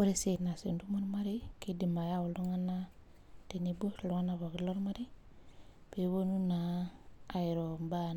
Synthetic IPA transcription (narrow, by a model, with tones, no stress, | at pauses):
wo˦ɾe˨se˨na˨se˨ndu˦mo˦ɾma˦ɾi˦ki˦di˨ma˨ja˦wu˨lu˦ŋa˦na˦ | te˨ni˦bo˦˨lu˦ŋa˦na˨βo˨ɡi˨lo˦ɾma˦ɾi˦ | pe˨βo˦nu˦naː˨ | jɾo˨mba˦